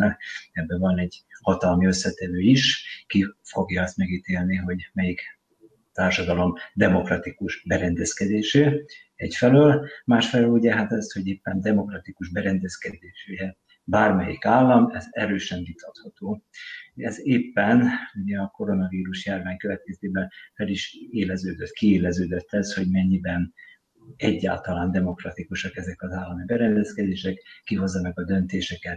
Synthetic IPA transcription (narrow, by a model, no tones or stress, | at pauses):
ɛɛbːɛvɒnɛɟhɒt̪ɒlmiø̞sːɛt̪ɛvøːiʃkifo̞ɡjɒɛst̪mɛɡit̪eːlniɦo̞ɟmɛjik | t̪aːrʃɒd̪ɒlo̞md̪ɛmo̞krɒt̪ikuʒbɛɾɛnd̪ɛskɛd̪eːʃeː | ɛcfɛløːlmaːʃfɛløːluɟɛɦat̪ɛst̪ho̞ɟeːpːɛnd̪ɛmo̞krɒt̪ikuʒbɛɾɛnd̪ɛskɛd̪eːʃuɟɛ | baːrmɛjḭkaːlːɒmɛzɛɾøːʃɛɱvit̪ɒt̪hɒt̪oː | ɛzeːpːɛnuɟɛɒko̞ɾo̞nɒviːɾuʃjaːrvaːɲkøvɛt̪̚kɛzeːbɛnfɛliʃeːlɛzøːd̪øt̪kieːlɛzøːd̪øt̪ʰːɛsho̞ɟmɛɲːibɛn | ɛɟːa̰ːlt̪ɒlaːnd̪ɛmo̞krɒt̪ikuʃɒkɛzɛkɒzaːlːɒmibɛɾɛnd̪ɛskɛd̪eːʃɛkːiɦo̞zːɒnɒɡɒd̪ø̞nt̪eːʃɛkɛt̪